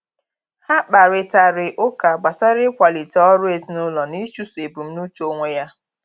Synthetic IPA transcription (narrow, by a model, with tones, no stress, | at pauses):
ha˦k͡pa˨ɾɪ˨ta˨ɾɪ˨ʔʊ˦ka˨ɡ͡ba˨sa˦ɾɪ˦kʷa˨li˨tɔ˦ɾʊ˦e˨zi˨˦nʊ˦lɔ˨ni˦t͡ʃu˦su˨e˨bu˨m̩˦nu˦t͡ʃo˦ŋʷe˦ja˦